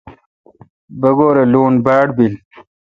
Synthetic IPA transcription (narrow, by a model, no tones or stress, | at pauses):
bɐɡoːɾeloːnbaːɽbil